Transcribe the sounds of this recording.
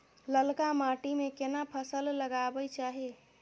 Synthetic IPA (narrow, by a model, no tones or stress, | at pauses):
ləlkamaʈimekenapʰəsəlːəɡabət͡ʃaɦi